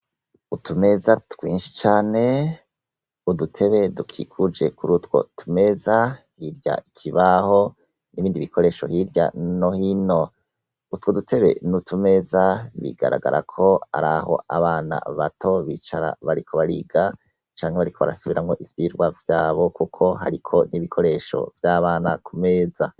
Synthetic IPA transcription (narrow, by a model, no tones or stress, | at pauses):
utʰume̞zatwiːnʃi̥t͡ʃaːne̞ | udutʰe̞βe̞dukʰikʰud͡ʒe̞kuɾutwo̞̰tʰume̞zahiɾja̰ikʰiβaho̞ | niβiːndiβikʰo̞ɾe̞ːʃo̞̰hiɾja̰nohino̞ | utwodutʰe̞βe̞̰nutʰume̞zaβḭɡ̥a̰ɾaɡa̰ɾʔakʰo̞a̰ɾaho̞̰a̰βaːna̰βatʰo̞βit͡ʃaɾa̰βaɾikʰo̞βaɾḭɡa | t͡ʃaːŋheβaɾikʰo̞βa̰ɾasuβiɾamŋo̞ʔivjiːɾɡwavjaːβo̞kukʰo̞ɦa̰ɾikʰo̞niβikʰo̞ɾe̞ʃo̞̰vjaːβaːnakume̞ːza